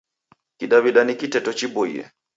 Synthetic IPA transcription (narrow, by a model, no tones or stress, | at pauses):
kiɗaβiɗanikitɛtɔt͡ʃibɔḭɛ̰